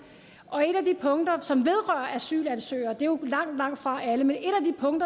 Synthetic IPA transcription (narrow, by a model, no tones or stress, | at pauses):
ʔɒ̽e̝ɾ̥æd̥ipʰɔ̽ŋd̥ɐsɒ̽mʋe̝ð̞ˠʁɶɐʔæsy̰ːlænsø̰ːɪɐd̥e̝jo̝lɑ̈ŋ̰d̥lɑ̈ŋ̰d̥fʁɑ̈ʔæləmene̝ɾ̥æd̥ipʰɔ̽ŋd̥ɐ